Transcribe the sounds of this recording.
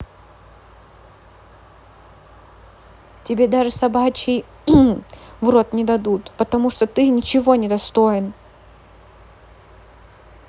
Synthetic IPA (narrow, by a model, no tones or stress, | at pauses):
tʲɪbʲed̪aʐɨsɐbat͡ɕɪj | vɾo̞t̪nʲɪd̪ɐd̪ut̪pət̪ɐmuʂt̪ot̪ɨnʲɪt͡ɕɪvo̞nʲɪd̪ɐst̪oɪn